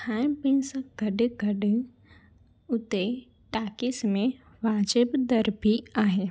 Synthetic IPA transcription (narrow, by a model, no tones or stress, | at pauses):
tʰaːɪmpẽnsəkɡʱɐɖɡʱɐɖɪ | ʊt̪e | ʈaːkɪsmẽ | ʋaːd͡ʒəbd̪ɐɾbʱiaːɦeː